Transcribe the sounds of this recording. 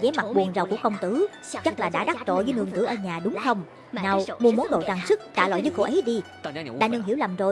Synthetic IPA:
zɛ˨˦ma˨˩ɓu˨˩ənzwku˧˩əkə˧wŋ͡mt̪ɨ˨˦ | t͡ɕa˦˥k̚laː˨˩ɗa̰ː˧˥ɗaː˦˥t̚t͡ɕo̰˧˨zəː˨˦jŋɨ˧əŋk̪ɨ̰˧˩ʔəː˧ɲaː˨˩ɗʊ˨˦ŋ͡mxə˧wŋ͡m | naː˨˧˩wmu˧əmu˨˦nɗo̰˧˨t͡ɕaː˨˩ŋsɨ˦˥k̚t͡ɕaː˧˩lwa̰˧˨jzəː˨˦jko̰˧˩ʔə˨˦jɗi˧ | ɗa̰ː˧˥nɨ˧ŋɦi˧˩əwla˨˩mzo˨˩j

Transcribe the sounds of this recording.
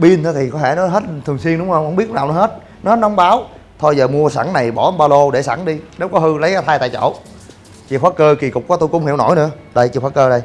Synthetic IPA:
ɓi˧nt̪ʰːt̪ʰi˨˩kɔ˨˦tʰe˧˩nɔ˨˦ɦe˦˥t̚t̪ʰɨ˨˩ŋswi˧ənɗʊ˨˦ŋ͡mhŋ͡mhə˧wŋ͡mɓət̚naː˨˩wnɔ˨˦ɦe˦˥t̚ | nɔ˦he˦˥t̚nɔ˨˦ŋ͡mɓaː˨˦w | t̪ʰo˧jzəː˨˩mu˧əsa˧˩ŋna˨˩jɓɔ˧˩˨ɓaː˧lo˧ɗe˧˩sa̰˧˩˦ŋɗi˧ne˨˦˥wkɔ˨˦ɦɨ˧lə˨˦jkaː˨˦t̪ʰaː˧jt̪a̰ː˧˨t͡ɕo̰˧˩ | t͡ɕḭ˧˨kxwaː˦˥kəː˧ki˨˩kʊ˨˩k͡p̚kɔ˨˦t̪u˧jkʊ̰˧˥ŋ͡mhḭ˧˩əwno˧˩jnɨ̰˧˥ə | ɗə˧jt͡ɕḭ˧˨˩xwaː˦˥kəː˧ɗə˧j

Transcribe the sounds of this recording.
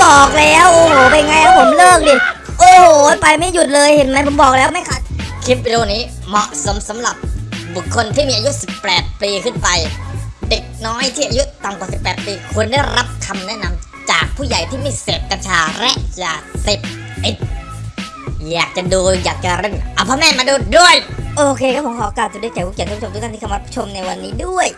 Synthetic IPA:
bɔː˨˩k̚lɛː˦˥wʔoː˧˩hoː˨˩pa˧jŋa˧jʔa˧˩pʰo˨˩˦mlɤː˥˩k̚di˧˩ | ʔoː˧˩ho˨˩pa˧jma˥˩ju˨˩t̪̚lɤː˧jhe˨˩˦nma˧˥jpʰo˩˦mbɔː˨˩k̚lɛː˦˥wma˥˩jkʰa˦˥˩t̪̚kʰi˦˥p̚wi˧oː˧˩niː˦˥ | mɔ˨˩ʔso˩˦msa˩˦mla˨˩p̚bu˨˩kʰːo˧nt̪ʰiː˥˩miː˧ʔa˧ju˦˥si˨˩pːɛː˨˩t̪̚piː˧kʰɯ˥˩npa˧jde˨˩k̚nɔː˦˥jt̪ʰiː˥˩ʔa˧ju˦˥ʔt̪a˧˩mkwaː˨˩si˨˩pːɛː˨˩t̪̚piː˧kʰu˧ənda˥˩jɾa˦˥p̚kʰa˧mnɛ˦˥ʔna˧m | t͡ɕaː˨˩k̚pʰuː˥˩ja˨˩jt̪ʰiː˥˩ma˥˩jseː˨˩p̚ka˧nt͡ɕʰaː˧ɾɛː˦˥ʔja˨˩se˨˩p̚ | ʔi˨˩t̪̚ | jaː˨˩k̚t͡ɕa˨˩duː˧jaː˨˩k̚t͡ɕa˨˩ɾe˧˩ŋʔa˧˩pʰɔː˧˥mɛː˥˩˨maː˧duː˧˥˩t̪̚du˥˩əjʔoː˧kʰeː˧kaː˧˦˥pʰo˨˦kʰɔː˧˨˧kaː˧˩t̪̚ʰːdkɛː˨˩kʰuː˥˩˨a˥˧˦t̪iː˥˧m˧˦˥pʰu̥˥t͡ɕʰo˧mna˧jwa˧nːiː˦˥du˥˩əj

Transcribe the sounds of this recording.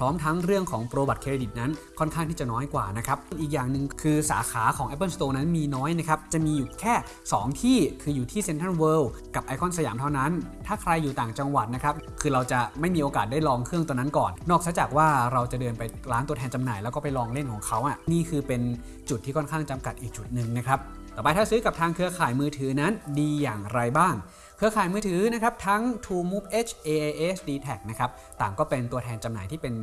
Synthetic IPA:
pʰɾɔː˦˥mt̪ʰa˦˥ŋɾɯ˥˩əŋkʰɔː˩˦ŋpɾoː˧ba˨˩t̪̚kʰeː˧ɾe˧di˨˩t̪̚na˦˥n | kʰɔ˥˩nkʰa˥˩ŋt̪ʰiː˥˩t͡ɕa˨˩nɔː˦˥jkwa̰ː˨˩na˦˥kʰɾa˦˥p̚ŋʔiː˨˩k̚jaː˨˩ŋnɯ˨ŋkʰɯː˧sa̰ː˩˦kʰaː˩˦kʰɔː˩˦ʔɛ˦˥p̬ːɤː˥˩nst̪oː˧na˦˥nmiː˧nɔː˦˥jna˦˥kʰa˦˥p̚t͡ɕa˨˩miː˧˨˩kʰɛː˥˩ | sɔː˩˦ŋt̪ʰiː˥˩kʰɯː˧juː˨˩t̪ʰiː˥˩se˧nt̪ʰa˥˩nwɤː˧w | ka˨˩p̚ʔa˧jkʰɔ˥˩nsa˧jaː˩˦mt̪ʰa˥wna˦˥nt̪ʰaː˥˩kʰɾa˧jːuː˨˩t̪aː˨˩ŋt͡ɕa˧ŋwa˨˩t̪̚na˦˥kʰa˦˥p̚kʰɯː˧ɾa˧wt͡ɕa˨˩ma˥˩jmiː˧ʔoː˧kaː˨˩daː˥˩jlɔː˧ŋkʰɯ˥˩əŋt̪ɔː˧na˦˥nkɔː˨˩nnɔː˥˩k̚sa˦˥t͡ɕa˨˩k̚waː˥˩ɾa˧wt͡ɕa˨˩dɤː˧npa˧jlaː˦˥nt̪u˧ətʰɛː˧nt͡ɕa˧mnaː˨˩jlɛː˦˥wkɔː˥˩pa˨jlɔː˧ŋle˥˩nkʰɔː˩˦ŋkʰa˦˥wʔa˨˩niː˥˩kʰɯː˧pe˧n | t͡ɕu˨˩t̪ʰːiː˥˩ɔː˥˩nkʰaː˥˩ŋt͡ɕa˧mka˨˩t̪̚ʔiː˨˩k̚t͡ɕu˨˩t̪̚nɯ˨˩ŋna˦˥kʰɾa˦˥p̚t̪ɔː˨˩pa˧jt̪ʰaː˥˩sɯː˦˥ka˨˩p̚t̪ʰaː˧ŋkʰɯ˧ɐkʰaː˨˩jmɯː˧t̪ʰɯː˩˦na˦˥ndiː˧jaː˨˩ŋɾa˧jbaː˥˩ŋ | kʰɯ˧ɐkʰaː˨˩jmɯː˧t̪ʰɯː˩˦na˦˥kʰa˦˥p̚t̪ʰa˦˥ŋt̪ʰuː˧muː˦˥p̚ʔeː˦˥t͡ɕʰʔeː˧ʔeː˧ʔeː˦˥sdiː˧t̪ʰɛ˨˩k̚na˦˥kʰɾa˦˥p̚t̪aː˨˩ŋkɔː˥˩pe˧nt̪u˧ɐt̪ʰɛː˧nt͡ɕa˧mnaː˩˦jt̪ʰiː˥˩pe˧n

